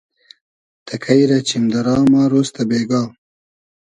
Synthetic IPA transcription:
t̪ʰɐkʰajɾat͡ɕimd̪ɐɾɑːmaːɾost̪abeːɡɑː

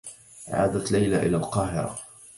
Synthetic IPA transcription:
ʔʕa̰ːd̪at̪lajlaʔɪlaːlqɑːɦɪɾˤɑ̰

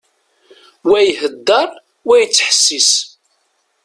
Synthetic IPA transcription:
wæjhəd̪ːɑɾˤ | wæjət͡sːəħə̥sːis

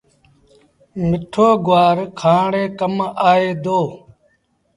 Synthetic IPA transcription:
mɪʈʰoːɡʊʋaːɾkʰãːɽeːkəmaːeːd̪oː

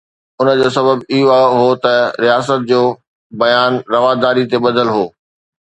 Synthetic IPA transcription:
ʊnəd͡ʑoːsɐbəbiɦoaɦot̪ɐɾijaːs̬ət̪̚d͡ʑoː | bɐjaːnɾɐʋaːd̪aːɾit̪eɓɐd̪ʱəlɦoː

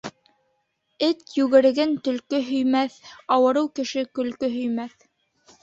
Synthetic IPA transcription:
ɘt̪jʉɣɘ̆ɾɘ̆ɡɘnt̪ɵ̆lkɵɦɵ̆jmæθɑwɤ̆ɾɤwkɘ̆ʃɘkɵ̆lkɵɦɵ̆jmæθ

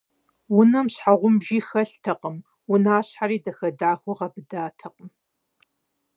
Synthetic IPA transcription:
wʊnɐmɕħaʁʷʊmbʒiːxɐɬtʰɐqəm | wʊnaːɕħaɾiːdɐxɐdaːxʷʊʁɐbɨdaːtʰɐq̚ʼəm

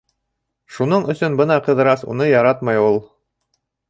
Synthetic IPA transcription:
ʃunoɴɵ̆sɵnbɤnɑqɤ̆ðɤ̆ɾɑsṵnɤjɑɾɑt̪mɑjulˠ

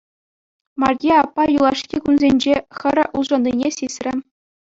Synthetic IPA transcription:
mɑrʲɡʲeɑpːɑjulˠɑʂkʲikunzʲenʲd͡ʑeχɘ̆rʲuʐɑ̆nːʲinʲesʲisʲrʲɘ̆

